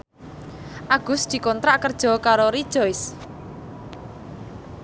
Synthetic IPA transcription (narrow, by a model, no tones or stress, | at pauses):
ʔaɡ̥ʊ̤sd̪̥i̤kɔnt̪ɾaʔkərd̥ʒ̥ɔ̤kaɾoɾid̥ʒ̥ɔjs